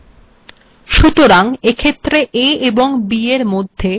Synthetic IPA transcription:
ʃut̪oɾaŋekʰet̪ːɾeʔeeboŋbieɾmod̪ʱːe

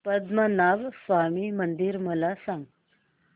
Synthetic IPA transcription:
pəd̪mənaʋsʋamimənd̪iɾməlasãŋɡ

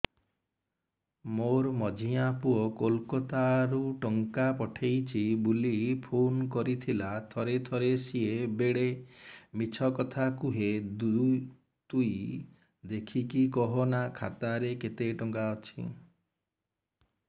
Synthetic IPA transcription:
moɾmɔd͡ʒʱiapuɔkolkɔt̪aɾuʈɔŋkapɔʈʰejt͡ʃʰibulipʰonkɔɾit̪ʰilat̪ʰɔɾet̪ʰɔɾesiebeɽemit͡ʃʰɔkɔt̪ʰakuɦed̪ | t̪uj | d̪ekʰikikɔɦɔnakʰa̰t̪aɾeket̪eʈɔŋɡaɔt͡ʃʰḭ

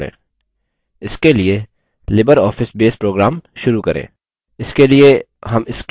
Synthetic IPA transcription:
ɽḛ̃ː | ɪskelie | lɪbəɾɔːfɪsbeːspɾoːɡɾaːmʃʊɾukɐɾʔḛ̃ː | ɪskelie | ɦɐmɪsk

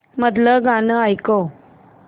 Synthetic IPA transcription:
məd̪ləɡanəajko

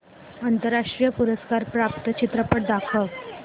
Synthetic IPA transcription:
ənt̪əɾːaʂʈɾijəpuɾəskaɾpɾap̚t̪ət͡ɕit̪ɾəpəʈd̪akʰəl

